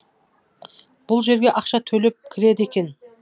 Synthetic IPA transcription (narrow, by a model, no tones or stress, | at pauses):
b̥ʊlˠʒe̞ɾɡʲe̞ʔɑqʃɑt̪ʰɵlep̚kʲʰɪɾe̞d̪ɪe̞kʲe̞n